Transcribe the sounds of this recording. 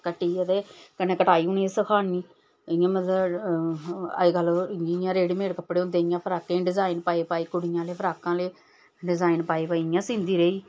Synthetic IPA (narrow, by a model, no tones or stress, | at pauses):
kəʈːiːət̪eːkənːeːkəʈaːiːunĩːesəkʰaːnniː | ɪjãːmət̪lə | ə̰ɡəloɪjãːɾeːɽimeːɽkəpːɽeːõnd̪eːɪjãːpʰəɾaːkẽːɖɪzaːɪnpaːeːpaːiːkʊɽɪjãːleːpʰəɾaːkãːleː | ɖɪzaːɪnpaːeːpaːiɪjãːsĩːnd̪iːɾeiː